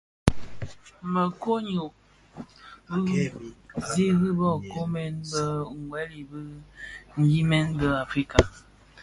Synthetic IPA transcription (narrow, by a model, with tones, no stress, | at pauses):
mə˨ko˦ɲu˨ʔ | bə˦ | ze˦ɣi˦bɔ˦˨ko˦mɛ˦nbə˦ŋ˨ɡwɛ˦li˨bə˦ŋ̩˦ɡi˦mɛ˦nbə˦a˨fɾi˦ka˨